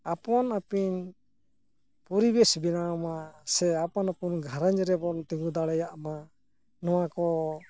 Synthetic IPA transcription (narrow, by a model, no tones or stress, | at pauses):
apɔnapin | pɔɾibesbinaɔmasɛapɔnapunɡʱaɾaɲd͡ʒɾɛbɔnt̪iŋɡud̪aɽɛjaʔma | nɔwakɔ